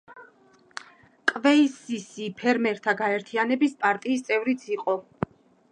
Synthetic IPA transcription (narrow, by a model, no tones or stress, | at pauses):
kʼvɛisisipʰɛɾmɛɾt̪ʰaɡaɛɾt̪ʰianɛbispʼaɾt̪ʼiːst̪sʼɛvɾit̪sʰiqʼɔ